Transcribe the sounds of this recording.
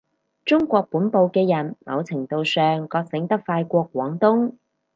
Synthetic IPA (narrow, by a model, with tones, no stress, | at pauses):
t͡sʊ˥ŋkʷɔː˧k̚puː˨˥npo˨wkɛː˧jɐ˨˩nmɐ̰˨˧wt͡sʰɪ˨˩ŋt̪o˨wsœː˨ŋkɔː˧k̚sɪ˨˥ŋt̪ɐ˥k̚faː˧jkʷɔː˧kːwɔː˨˥ŋt̪ʊ˥ŋ